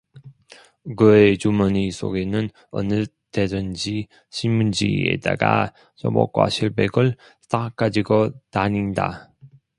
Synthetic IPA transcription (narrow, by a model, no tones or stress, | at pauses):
kɯet͡ɕumʌɲisʰo̰ɡenɯn | ʌ̰nɯ | ted͡ʑʌnd͡ʑi | ɕʰinmund͡ʑḭḛda̰ɡa̰ | t͡ɕo̰bʌ̰k͈wa̰ɕʰiɭbeɡɯɭ | t͈ʰak͈ad͡ʑiɡotaɲinda̰